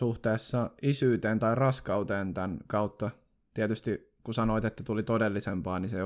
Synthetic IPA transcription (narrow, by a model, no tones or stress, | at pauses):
suht̪eːsːɑisyːt̪eːnt̪ɑirɑskɑuwt̪eːnt̪ænkɑut̪ːɑ | t̪iɛt̪yst̪i | kusɑnoit̪et̪ːæt̪ulit̪odelːisempɑːnise